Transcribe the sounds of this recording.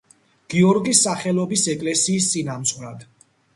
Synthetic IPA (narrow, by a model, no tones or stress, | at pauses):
ɡ̥iɔɾɡisːaχɛlˠɔbisɛkʼlɛsiːst̪sʼinamt̪sʼɾad̪̥